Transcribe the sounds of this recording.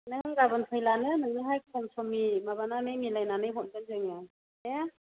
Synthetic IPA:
nɯŋɡabɯnpʰɯjlanɯnɯŋnɯɦajkʰɔmsɔmimaβanamejmilajnanɯjɦɔn̚dɯnzeŋɯ | e

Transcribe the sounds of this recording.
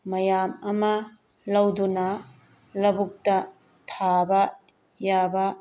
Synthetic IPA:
mɐjamɐmɐ | lɐwdunɐ | lɐbuk̚tɐ | tʰabɐ | jabɐ

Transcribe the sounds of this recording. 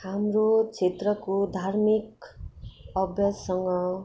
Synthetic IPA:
hamrot͡sʰet̪rʌkod̪ʱarmik | ʌbjʌssʌŋɡʌ

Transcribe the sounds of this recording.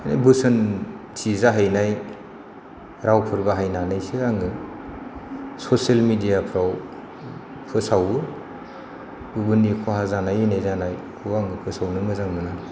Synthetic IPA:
ana̰bɯsɯntʰizaɦajnaj | ɾawpʰɯɾbaɦajnanajsɯaŋɯ | sɔselmidijapʰɾaw | pʰɯsawɯ | ubɯnikʰɔhazanajɯnajzanajʰuaŋɯpʰɯsawnɯmɯzaŋmɯna

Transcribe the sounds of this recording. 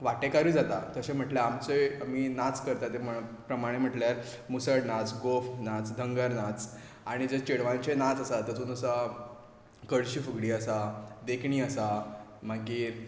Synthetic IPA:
ʋaʈekaɾud͡zat̪at̪əɕẽm̤əʈljaamt͡seamiːnat͡skəɾt̪at̪em̤əɭpɾəmaɽ̃em̤əʈljaɾ | musəɽnat͡sɡofnat͡sd̪ʱəŋɡəɾnat͡s | aɽ̃id͡zət͡ɕeɽʋãɲt͡ɕenat͡səsat̪ət̪uːnəsa | kəɭɕiːfəɡɽiːəsad̪ekʰɳiːəsam̤akiːɾ

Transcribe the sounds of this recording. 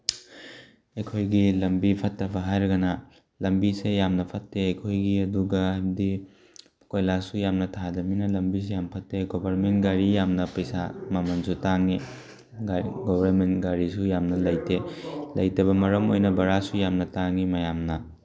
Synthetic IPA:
ejkʰojɡilɐmbipʰɐtːɐbɐɦajɾɐɡɐnɐ | lɐmbisejamnɐpʰɐtːeɐjkʰojɡiɐduɡɐbdi | kojlasujamnɐtʰadɐminɐlɐmbis̬ejampʰɐtːeɡobʱɐɾmenɡaɾijamnɐpɐjsa̰mɐmɐnsutaŋi | ɡɔbʱaɾmentɡaɾisujamnɐlɐjtelɐjtɐbɐmɐɾɐmojnɐbɐɾasujamnɐtaŋimɐjamnɐ

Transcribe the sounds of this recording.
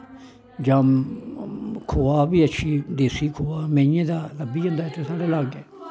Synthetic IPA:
d͡ʒam | kʰoːaːbiːətːʃʰiːd̪eːsiːkʰoːaːmɛ̃ːĩjẽːd̪aːləbiːɦõːnd̪aːɛt̪eːsaːɽeːlaːɡɛː

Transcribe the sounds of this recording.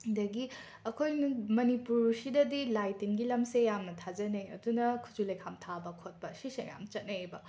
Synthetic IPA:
dɐɡi | ɐkʰojnumɐnipuɾsidɐdilajtinɡilɐmsejamnɐtʰad͡ʒɐnejɐ̰dunɐkʰu̥d͡ʒulɐjkʰamtʰabɐkʰot̚pɐsisḛja̰mt͡ʃɐt̚nɐebɐ

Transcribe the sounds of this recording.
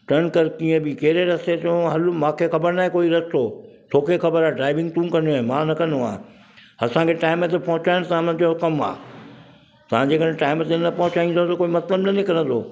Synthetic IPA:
ʈɐɾnkɐɾkiːə̃bɪkeɦɾeɾɐset̪ːɦɐlmãːkʰexɐbəɾnaːẽkoːiɾɐst̪ʰoː | t̪ʰoːkexʰɐbəɾaːɖɾaːɪʋɪ̃ŋɡt̪ũːkɐ̃nd̪oɪ̃mãːnɐkɐ̃nd̪oa̰ː | ɐsãkʰeʈaːɪmet̪ʰepɐɦʊt͡ɕaːɪñ̆t̪aãmɐ̃ɦɪ̃ɲ̆d͡ʑokɐma̰ː | t̪ɐʋ̤ãd͡ʑeːkə̃ʈaːɪmt̪ʰenɐpɐɦʊt͡ɕaːĩnd̪ot̪ɐkoːimɐt̪ləbnɐnɪkɐɾə̃nt̪ʰoː

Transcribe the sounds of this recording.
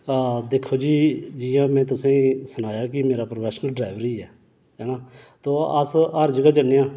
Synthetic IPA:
d̪eːkʰːoːd͡ʒiːd͡ʒɪjãːmɛ̃ːt̪ʊsẽːsʊnaːjaːk̬ɪmeːɾaːpɾopʰɛːsnəlɖɾaːʋəɾiːɛː | ɛːɽaː | t̪oːəsəɾd͡ʒəɡaːd͡ʒənejãː

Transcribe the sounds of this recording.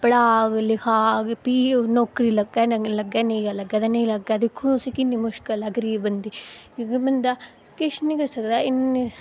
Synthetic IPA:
pəɽaːɡlɪkʰaːɡpiːnɔːkɾiːləɡɛːləɡɛːnəĩːɡaləɡaːd̪aːnəĩləɡaːd̪ɪkʰːũːʊsĩːkɪnːiːmʊʃkəlaɡɾiːebənd̪iːkõkibənd̪aː | kɪʃnĩːkəɾsəkd̪aːɪnː

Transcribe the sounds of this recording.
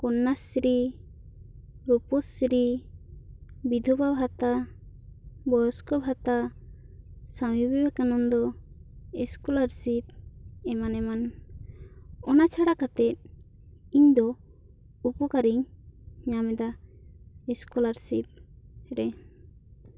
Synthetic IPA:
kɔnːasɾi | ɾupɔsɾi | bid̪ʱɔbabʱat̪a | bɔjɔskɔbʱat̪a | samibibɛkanɔnd̪ɔ | ɛskulaɾsip̪̚ɛmanɛman | ɔnat͡ʃʰaɽakat̪ɛt̪̚ | iɲd̪ɔ | upɔkaɾiɲɲamɛd̪a | ɛskulaɾsip̚ɾɛ

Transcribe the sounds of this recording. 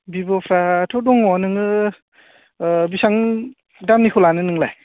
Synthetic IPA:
bibɔpʰɾatʰɔdɔŋɔnɯŋɯ | bisaŋ | damnikʰɔlanɯnɯŋla̰j

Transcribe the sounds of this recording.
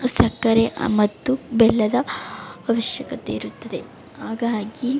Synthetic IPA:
sɐkːɐɾemɐt̪ːubɛlːɐd̪ɐʋɐʋɐʃjɐkɐt̪eiɾut̪ːɐd̪e̞ | haːɡaːɡi

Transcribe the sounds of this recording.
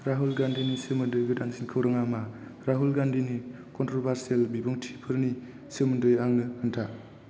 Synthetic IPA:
ɾaɦulɡandinisemɯndɯjɡɯdaŋsinkʰɯwɾaŋama | ɾaɦulɡandini | kɔntɾobʱaɾselbibɯŋtʰi̥pʰɯɾni | semɯndɯjaŋnɯhɯntʰa

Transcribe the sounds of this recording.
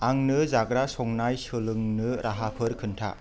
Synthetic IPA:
aŋnɯzaɡɾasɔŋnajsɯlɯŋnɯɾʔaɦapʰɯɾkʰɯntʰa̰

